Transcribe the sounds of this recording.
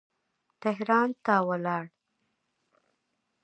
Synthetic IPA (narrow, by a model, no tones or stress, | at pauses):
t̪ɪɦɾɑnt̪awəlɑɽ